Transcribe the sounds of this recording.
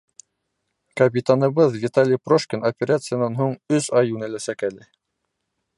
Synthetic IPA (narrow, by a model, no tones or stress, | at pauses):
kɐp̬ʲit̪anɤ̆βɤðvʲit̪alʲijproʃkʲɪnopʲeɾʲat̪sɨjanɑnɦuɴɵsɑjunæ̆læsækælɘ